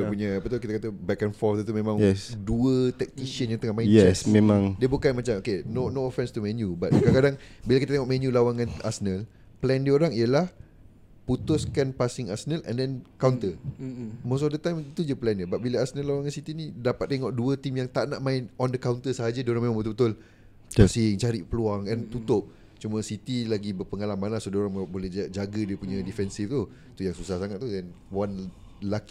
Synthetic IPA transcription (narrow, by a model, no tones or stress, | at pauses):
əpuɲaːpət̪ukit̪akat̪əbɛkɛnfɔt̪ət̪umẽmãŋjɛduət̪ɛk̚t̪isiənjãŋt̪əŋɔhmãɪ̃ɛt͡ʃɛsmemãŋdiəbukanmat͡ʃamokenonoɔfɛ̃nst̪umɛnjubat̪̚kakadaŋbilakit̪at̪eŋɔʔmɛnjulawaŋãna̰sənəl | plɛndiəoɾaŋiəlah | put̪ʊskanpasɪŋasənəlɛ̰̃ndɛnkawnt̪ə | mos̬ɔfdət̪ajmit̪ud͡ʒəplɛndəbaʔ̚biləasənəloɾaŋansit̪inĩdapat̪̚ːeŋɔʔduət̪imjaŋt̪aʔnaʔmaɪnɔndəkawnt̪əsəɦad͡ʒadioɾaŋmemãŋbət̪ulbət̪ʊl | asɪŋt͡ʃaɾiʔpəluaŋɛnt̪ut̪ʊp̚ | t͡ʃumə̃sit̪ilaɡibərpəŋalamãnlahsodoɾaŋbolɛhd͡ʒaɡədiəpuɲãdifɛnsift̪u | t̪ujaŋsusahsaŋat̪̚t̪ːudɛn | wan | laki